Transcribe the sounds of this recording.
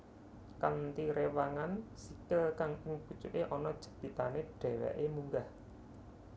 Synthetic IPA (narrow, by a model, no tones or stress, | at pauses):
kant̪iɾewaŋansikɪlkaŋɪŋb̥ṳ̥t͡ʃuʔeʔɔnɔd̥ʒ̥ə̤̥b̪̥it̪aneɖ̥ɛ̤wɛ̰ʔemuŋɡah